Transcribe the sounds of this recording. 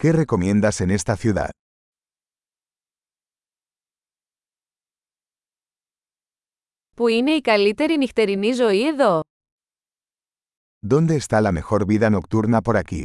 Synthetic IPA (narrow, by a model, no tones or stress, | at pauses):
kere̞ko̞mjẽ̞nd̪ase̞nest̪ɐθjuða̰ð | puine̞ikɐlit̪e̞ɾinixt̪e̞ɾinizo̞ieðo | d̪o̞nd̪e̞ːst̪alame̞xo̞ɾβiðɐno̞kt̪uɾnapo̞ɾakḭ